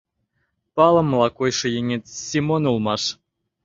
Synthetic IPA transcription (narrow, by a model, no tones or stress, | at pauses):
pɑlˠɤ̆mːlˠɑkojʂɤ̆jenʲet̪sʲimonulˠmɑʂ